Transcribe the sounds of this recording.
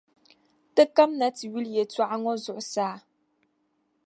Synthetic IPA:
tɨ˦ka˦mna˨˦ti˨ɥi˦ljɛ˨twa˦ʔa˦ŋɔ˦zʊ˨ʔʊ˨saː˦

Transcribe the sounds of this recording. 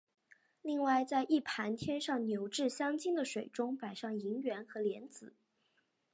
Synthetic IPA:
li˥˧ŋwa˥˧ɪt͡sa˥˧ɪʔi˥˩pʰa˧˥nt̪ʰjɛ˥nʂɑ˥˩ŋnjo˧˥ʊʈ͡ʂɻ̩˥˩ɕjɑ˥ŋt͡ɕi˥ŋd̪ə˨ʂwe˨˩ɪʈ͡ʂʊ˥ŋpa˨˩ɪʂɑ˥˩ŋi˧˥ŋɥɛ˧˥nxɤ˧˥ljɛ˧˥nt͡sɹ̩˨˩˦

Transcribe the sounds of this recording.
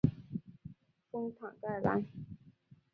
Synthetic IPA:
fʊ˥ŋt̪ʰa˨˩ŋka˥˩ɪla̰˧˥n

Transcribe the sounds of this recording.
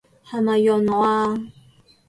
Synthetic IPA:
ha˨˧ma˨jɔ˨nɔ˨a˧

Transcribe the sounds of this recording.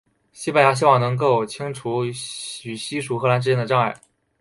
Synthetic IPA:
ɕi˥pa˥˩nja˧˥ɕ̬i˥wɑ˥˩ŋnɤ˧˥ŋk̬o˥˩ʊt͡ɕʰi˥ŋʈ͡ʂʰu˧˥y˨˩ɕi˥ʂu˧˥xɤ˧˥la˧˥nʈ͡ʂ̬ɻ̩˥jɛ˥nd̪ə˩ʈ͡ʂɑ˥˧ŋa˥˩ɪ

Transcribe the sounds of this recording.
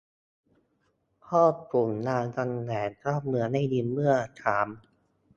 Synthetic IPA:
kʰɔː˥˩pu˨˩˦ŋnaː˧nka˧ŋlɛː˨˩˦nkʰɾaː˥˩p̚mɯ˧ɐna˧˥˩jdi˧nmɯ˥˩ɐt̪ʰaː˩˦m

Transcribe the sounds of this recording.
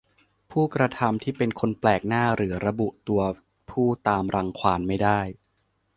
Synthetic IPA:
pʰuː˥˩kɾa˧t̪ʰa˧mt̪ʰiː˥˩pe˧nkʰo˧nplɛː˨˩k̚naː˥˩ɾɯː˩˦ɾa˧bu˨˩ʔt̪u˧ɐ | pʰuː˥˩t̪aː˧mɾa˧ŋkʰwaː˧nma˥˩jdaː˥˩j

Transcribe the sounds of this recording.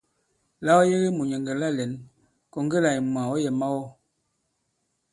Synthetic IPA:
la˦ɔ˦je˦ɣe˦mu˨ɲɛ˨ŋɡɛ˨la˦˨lɛ˨n | kɔ˨ŋ˦ɡe˦la˨i˨m˨a˨ɔ˦jɛ˨ma˦wɔ˦

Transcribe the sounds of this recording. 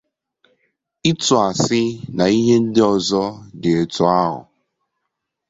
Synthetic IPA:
ɪ˦tʊ˨a˨sɪ˦na˨i˦ɦe˦n̩˦dɪ˦ɔ˨zɔ˦de˨e˨tʊ˨a˦ɦʊ̰˨

